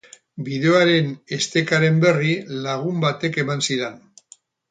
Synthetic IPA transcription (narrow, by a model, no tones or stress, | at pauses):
bið̞e̞oaɾe̞ne̞st̪e̞kaɾe̞mbe̞rilaɣ̞umbat̪e̞ke̞mansiɾen